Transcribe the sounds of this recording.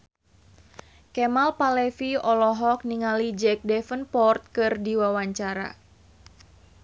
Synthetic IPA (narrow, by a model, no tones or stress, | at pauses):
kɛmalpalɛfiɔlɔɦɔk̚niŋalid͡ʒɛk̚dɛfənpɔrt̪̚kɨrdiwawaɲt͡ʃaɾa̰